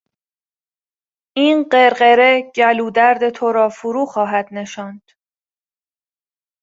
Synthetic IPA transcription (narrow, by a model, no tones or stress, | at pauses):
ʔiːnɢeɾɢe̞ɾeɟæluːd̪æɾd̪e̞t̪ʰoɾɒːfuɾuːxɒːɦæd̪ne̞ʃɒːnd̪̥